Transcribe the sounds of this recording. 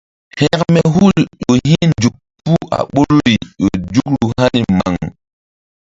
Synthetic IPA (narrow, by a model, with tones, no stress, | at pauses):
hɛ˨kmɛ˨ɦu˦ljo˨ɦĩ˦nd͡ʒu˨k̚pu˦a̰˨ɓo˦ɾɾi˨jo˨d͡ʒu˦kɾu˨ha˦ni˨ma̰˨ŋ